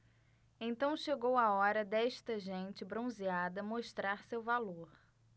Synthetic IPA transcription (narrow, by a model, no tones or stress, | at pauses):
ẽt̪ɐ̃w̃ʃeɡowaɔɾɐd̪ɛʃt̪ɐʒẽt͡ʃɪbɾõziad̪ɐmoʃt̪ɾaɾsewvaloɾ